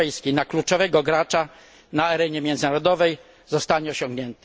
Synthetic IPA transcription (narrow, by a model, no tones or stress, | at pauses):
ɛjskʲijnaklut͡ʂɔvɛɡɔɡɾat͡ʂa | naaɾɛɲɛmʲjɛnd̪znaɾɔd̪ɔvɛj | zɔst̪aɲɛɔɕɔ̃ŋɡɲɛnt̪ɛ̥